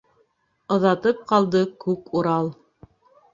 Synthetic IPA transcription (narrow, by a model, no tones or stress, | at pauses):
ɤ̆ðɑt̪ɤp̚qɑlˠd̪ɤkʉkuɾɑlˠ